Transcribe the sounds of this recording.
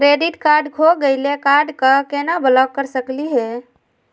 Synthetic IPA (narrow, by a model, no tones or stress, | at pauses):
kɾeɖiʈkaɾɖkʰoɡəɪlekaɾɖkəkenabələk̚kəɾsəkliɦɛ